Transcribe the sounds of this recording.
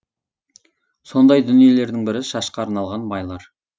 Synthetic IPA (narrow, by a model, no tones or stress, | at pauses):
so̞nd̪ɑjd̪ʏnije̞le̞ɾd̪ɪŋbɪɾɪʃɑʃqɑːɾnɑlˠʁɑnbɑjlˠɑɾ